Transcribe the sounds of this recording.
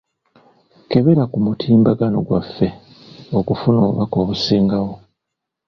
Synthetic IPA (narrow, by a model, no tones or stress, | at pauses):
ke̞βe̞ɾakumutʰiːmbaɡano̞̰ɡwafːe̞ | o̞kufunoːβṵβako̞ːβusiːŋɡawo̞